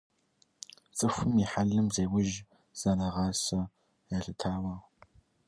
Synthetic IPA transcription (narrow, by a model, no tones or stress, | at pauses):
t͡sʼɨfʷɨmiħaɮɨmzeːwʊʒ | z̥ɐnɐʁɑːsɐ | jɐɬɨtʰaːwɐʁ